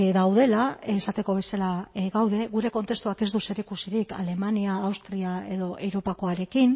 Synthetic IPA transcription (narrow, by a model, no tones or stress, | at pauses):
ðawð̞e̞laesat̪e̞ko̞β̞e̞salaɣawðe̞ɣuɾe̞ko̞nt̪e̞st̪uake̞zd̪use̞ɾikusiðika̰le̞maniaːwst̪ɾiae̞ðo̞ʔe̞wɾo̞pako̞aɾe̞kin